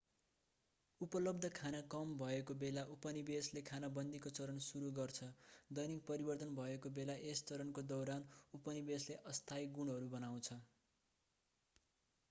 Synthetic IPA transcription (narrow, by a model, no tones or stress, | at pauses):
upʌlʌb̚d̪ʱʌkʰanakʌmbʱʌekobelaʔupʌnibeslekʰanabʌnd̪ikot͡sʌɾʌnsuɾuɡʌrt͡sʰʌd̪ʌjnik̚pʌɾibʌrt̪ʌnbʱʌekobelaʔest͡sʌɾʌnkod̪ʌwɾanupʌnibesleʔʌst̪ʰajɡuɳɦʌɾubʌnaw̃t͡sʰʌ